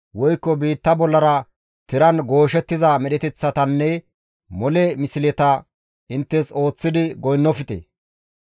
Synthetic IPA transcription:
wɔjkːɔbiːt̪ːɐbɔlːɐɾɐ | t̪ɪɾɐnɡo̞ːʃɛt̪ːɪzɐmɛɗɛt̪ɛt͡sːɐt̪ɐnːɛ | mɔlɛmɪsɪlɛt̪ɐ | ɪnt̪ːɛso̞ːt͡sːɪd̪ɪɡɔjnːɔfɪt̪ḛ

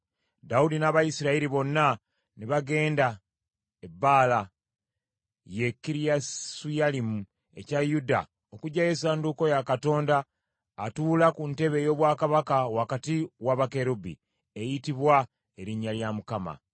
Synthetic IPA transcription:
daudinaβajisiɾaiɾiβo̞nːa | niβaɡe̞ːnda | ebaːla | je̞kːiɾijasujalimu | e̞cajuda̰ | okuɟaje̞saːnduko̞jakato̞ːndaː | tuːlakunte̞βe̞jo̞ːβwaːkaβakawakatiwaβakeɾubḭ | ejitiβwa | e̞ɾiɲːaljamukama̰

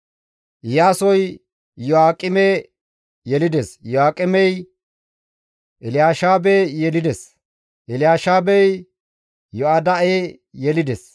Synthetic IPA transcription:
ʔɪjaːsɔj | jɔaːkʼɪmeː | jɛlɪd̪esjɔaːkʼːɪmɛj | ʔɪlɪjaːʃaːbejɛlɪd̪ɛs | ʔɪlɪjaːʃaːbɛj | jɔad̪ɐeː | jɛlɪd̪ɛs

